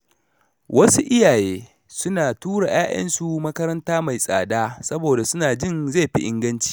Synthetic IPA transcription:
wɐ˦su˦ʔɪ˦jaː˨jeː˦ | sʊ˦naː˨tuː˦ɽa˨j̰aː˦jʔɐ̰˦nsu˨mɐ˦kɐ˦ɾɐ˦ntaː˦ma˨jsʼa̰ː˨daː˦sɐ˦boː˨da˨sʊ˦naː˨d͡ʒɪ˦nza˦˨jɸi˦ʔɪ̰˦ŋɡɐ˦nt͡ʃi̥ː˨

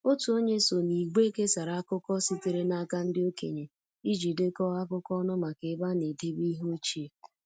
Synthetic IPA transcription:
o˦tu˨o˦ɲe˦so˨ni˨ɡ͡be˦ke˦sa˨ɾa˨a˦kʊ˦kɔ˦si˦te˨ɾe˦na˦ka˦n̩˦dɪ˦o˦kḛ˨ɲe˨ | i˦d͡ʒi˨de˦kɔ˦a˦kʊ˦kɔ˦nʊ˦ma˨ke˨˦ba˦ne˨de˦bi˦ɦo˦t͡ʃi˦e˨

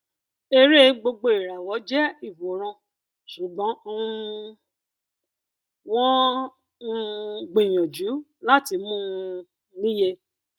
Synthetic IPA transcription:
e˧ɾe˦ɡ͡bo˧ɡ͡bo˧˨i˨ɾa˨wɔ˨˦d͡ʒɛ˦i˦˨wo˨˦ɾ̃ã˧ | ʃu˨ɡ͡bɔ̃˨˦ | w̃ɔ̃˦˧ | ɡ͡be˨j̃ɔ̃˨d͡ʒu˨˦ | la˦ti˧mũ˦˧ | lĩ˦je˧

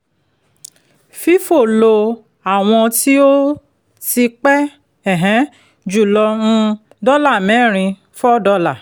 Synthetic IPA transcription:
fi˦fo˦˨lo˧ | a˦˨w̃ɔ̃˧ti˦o˦ | ti˧k͡pɛ˦ | ɛ˦˨ɦɛ̃˨˦ | d͡ʒu˨lɔ̃˧ | dɔ˦la˦˨mɛ̃˨˦˨ɾ̃ĩ˧ | fɔ˦dɔ˧la˦˨

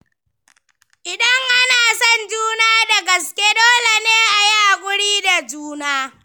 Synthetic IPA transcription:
ʔɪ˨dɐ˦ŋʔa˦naː˨sɔ˦˨nd͡ʒuː˦naː˦da˨ɡɐ˨skʲe˦doː˦le˨neː˦ʔa˨ji˦ʔa˨kʷʼʊ˦ɽiː˦da˨d͡ʒuː˦naː˦

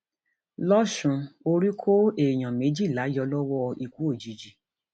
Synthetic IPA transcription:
lɔ˦ʃũ˧o˧ɾi˦kʰo˦e˨j̃ã˨mẽ˨˦d͡ʒi˦˨la˨˦jɔ˧lɔ˦wɔ˦˧i˨kʷu˨˦o˦˨d͡ʒi˨˦d͡ʒi˨

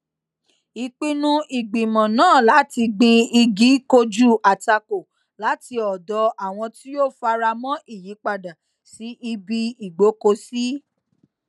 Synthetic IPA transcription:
i˨k͡pi˧nũ˦i˨ɡ͡bĩ˨mɔ̃˨nãː˦˨la˨˦ti˧ɡ͡bĩ˧i˧ɡi˨˦ko˧d͡ʒu˦˨a˨ta˧ko˨ | la˨˦ti˧˦ɔ˨dɔ˨˧a˦˨w̃ɔ̃˧ti˦jo˦fa˧ɾa˧mɔ̃˦ʔi˦˨ji˨˦k͡pa˦˨da˨ | si˨˦ʔi˧bi˧i˨ɡ͡bo˨˦ko˧si˦

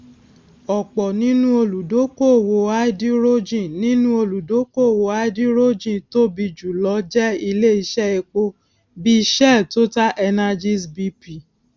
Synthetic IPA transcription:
ɔ˨k͡pɔ˨nĩ˨˦nũ˦o˧lu˨do˨˦ko˦˨wo˨a˦i˦di˦ɾo˦d͡ʒĩ˦˨nĩ˨˦nũ˦o˧lu˨do˨˦ko˦˨wo˨˦a˦di˦ɾo˦d͡ʒĩ˦˨to˦bi˧d͡ʒu˨lɔ˨˦d͡ʒɛ˦i˧le˦i˧ʃɛ˦e˧k͡po˧ | bi˦i˧ʃɛ˦˨to˦ta˦ʔɛ˧na˧d͡ʒi˦sbi˧pi˨

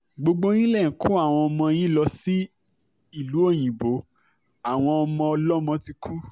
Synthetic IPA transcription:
ɡ͡bo˧ɡ͡bo˦j̃ĩ˦lɛ˦˨ku˦a˦˨w̃ɔ̃˧ɔ˧mɔ̃˧j̃ĩ˦lɔ˧si˦ | i˦˨lu˨˦o˦˨j̃ĩ˨bo˨˦ | a˦˨w̃ɔ̃˧ɔ˧mɔ̃˧ɔ˧lɔ˦mɔ̃˧ti˧kʰu˦

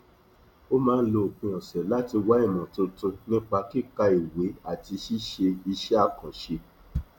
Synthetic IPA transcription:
o˦mãː˦n̩˦lo˧o˨k͡pĩ˧ɔ̃˨sɛ˨la˦ti˧wa˨˦i˦˨mɔ̃˨to˧to˧nĩ˦k͡pa˧ki˦˨ka˧i˨we˨˦a˦˨ti˧ʃi˦ʃe˧i˧ʃɛ˦a˦˨kã˨ʃe˧

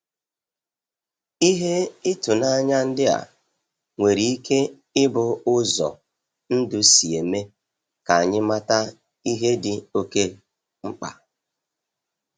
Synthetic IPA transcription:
i˦ɦe˦ɪ˦tʊ˨na˦ɲa˦n̩˦dɪ˦a̰˨ | ŋʷe˨ɾi˨i˦kʰe˦ | ɪ˦bʊ˨ʊ˦zɔ̰˨ | n̩˦dʊ˦si˨e˨me˦ | ka˨a˨ɲɪ˦ma˦ta˦ | i˦ɦe˦dɪ˨o˦ke˦ | ŋ͡m̩˦k͡pa̰˨

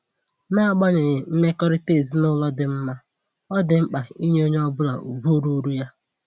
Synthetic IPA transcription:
na˦a˨ɡ͡bɔ˦ɲe˨ɲɪ˨m̩˦me˦kɔ˦ɾɪ˦te˦˨zi˦nʊ˦lɔ˦dɪ˨m̩˦ma˦ | ɔ˦dɪ˨ŋ͡m̩˦k͡pa˨i˦ɲe˦o˦ɲ˦ɔ˦bʊ˦la̰˨ṵ˨bu˦ɾu˦ɾu˦ja˦

